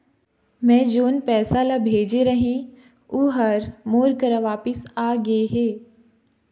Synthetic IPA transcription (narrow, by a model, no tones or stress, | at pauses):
mɛ̃ːd͡ʒoːnpɛːsalabʱeːd͡ʒeɾɐɦẽ | uɦəɾmoːɾkəɾaʋaːpəsaːɡɐeɦɛː